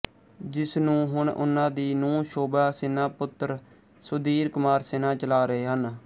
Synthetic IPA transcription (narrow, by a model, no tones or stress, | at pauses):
d͡ʒɪsnũːɦʊɳʔʊ̰nːãːd̪iːnũːʃoːbaːsɪnaːpʊt̪ːəɾ | sʊd̪iːɾkʊmaːɾseːnãːt͡ʃəlaːɾəeːɦən